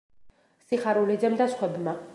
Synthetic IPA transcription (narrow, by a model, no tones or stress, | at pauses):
siχaɾulid͡ʒɛmd̪asχwɛbma